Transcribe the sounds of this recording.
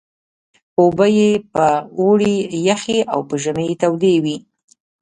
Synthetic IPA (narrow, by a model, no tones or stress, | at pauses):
obəjepəoɽijaxeʔawpəʒəməjet̪awd̪ewi